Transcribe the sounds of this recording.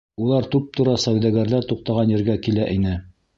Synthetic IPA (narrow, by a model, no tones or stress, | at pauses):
ulˠɑɾt̪ʉp̚t̪ŏɾɑsæwd̪æɡæɾlæɾt̪uq̚t̪ɑʁɑnjɘ̆ɾɡækilæʔinɘ